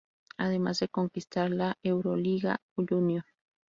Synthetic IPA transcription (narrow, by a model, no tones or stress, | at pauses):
aðemazd̪e̞koŋkist̪aɾlaʔewɾoliɣa̰uʎunjon